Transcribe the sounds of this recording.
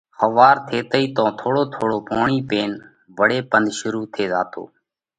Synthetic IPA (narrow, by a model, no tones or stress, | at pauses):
xəʋaːɾt̪ʰeːt̪əiːt̪õːt̪ʰoːɽoːt̪ʰoːɽoːpoːɳiːpeːn | ʋəɽeːpənd̪ʱʃʊɾuːt̪ʰeːza̰ːt̪o̰ː